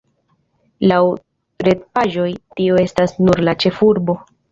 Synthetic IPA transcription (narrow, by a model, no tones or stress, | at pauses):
law | ɾe̞t̚paʒo̞jtio̞e̞stasnuɾlat͡ʃe̞fuɾbo̞